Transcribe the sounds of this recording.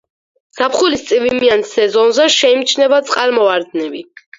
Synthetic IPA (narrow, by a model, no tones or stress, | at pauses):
sapχulist̪sʼivimiansɛzɔnzɛʃɛimt͡ʃʰnɛvat̪sʼqʼalmɔaɾd̪nɛbi